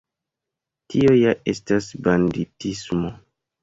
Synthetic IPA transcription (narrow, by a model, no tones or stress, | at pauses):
tio̞jaʔe̞stasbanditismo